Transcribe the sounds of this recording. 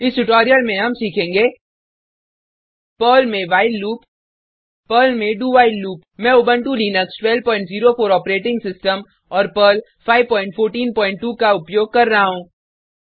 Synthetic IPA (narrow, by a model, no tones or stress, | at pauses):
ɪsʈʊʈɔːɾijəlmẽɦɐmsiːkʰẽːŋɡeː | pəːlmẽʋaːɪlːuːpː | əːlmẽɖuːʋaːɪlːuːpmɛ̃obə̃ɳʈulinəksʈwɛlpɔ̃ːɪ̃ɳʈziːɾofʰoːɾɔːpɾeːʈɪ̃ŋɡsɪsʈəm | ɔːɾpəːl | fʰaːɪʋpɔ̃ːɪ̃ɳʈfʰoːɾʈiːnpɔ̃ːɪ̃ɳʈːuːkaʊpjoːɡ̚kɐɾːɐɦaɦũː